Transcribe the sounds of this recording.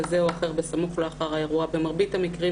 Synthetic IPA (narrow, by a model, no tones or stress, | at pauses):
zeoaχe̞ʁbesamuχleaχaʁajeʁuabe̞maʁbitamikʁi